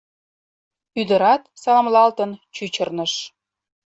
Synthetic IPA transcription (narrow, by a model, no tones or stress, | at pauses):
yd̪əɾɑt̪sɑlɑmlɑlt̪ənt͡ɕyt͡ɕərnəʃ